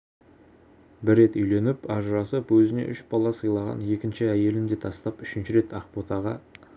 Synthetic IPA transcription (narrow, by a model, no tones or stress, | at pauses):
bɪɾːe̞t̪ʏjle̞nɪpɑʒəɾɑsəpwɵzɪne̞̰ʔʏʃbɑlˠɑsəjlˠɑʁɑ̰nje̞kʲɪnʃɪæje̞lɪnd̪e̞t̪ʰɑst̪ɑpʏʃɪnʃɪɾe̞t̪ʰɑqpot̪ɑʁɑ̰